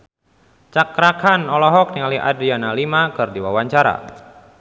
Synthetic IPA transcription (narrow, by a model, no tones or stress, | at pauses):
t͡ʃakɾakanɔlɔɦɔk̚niŋalia̰dianalimakɨrdiwawaɲt͡ʃaɾa̰